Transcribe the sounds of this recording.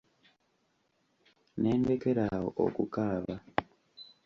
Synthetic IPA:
neːndekeɾaɦo̰ʔo̰kukaːβa

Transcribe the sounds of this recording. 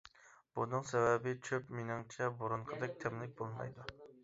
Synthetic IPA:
b̥unɨŋsɛvɛbɪt͡ʃʰøpminɨŋt͡ʃʰɛbuɾuɴqʰəd̪ɛk̚ʲt̪ʰɛmlˠɪk̚ʲbolˠmɑ̰jd̪u

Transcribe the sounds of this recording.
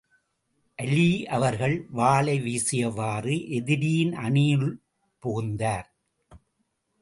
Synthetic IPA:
ʔɐliːʔɐʋɐɾɣɐɭʋaːɭɐɪʋiːsɪjɐʋaːrɯʔɛðɪɾɪjɪnʔɐɳiːɭ | pʊɣɯnd̪aːɾ

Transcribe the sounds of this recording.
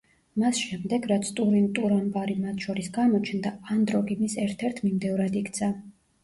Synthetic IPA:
masʃɛmd̪ɛɡɾat̪sʰt̪ʼuɾint̪ʼuɾɔnbʼaɾimat̪ʰʃɔɾisɡamɔt͡ʃʰnd̪aand̪ɾɔɡinisɛɾt̪ʰɛɾt̪ʰmimd̪ɛvɾad̪ikʰt̪sʰa

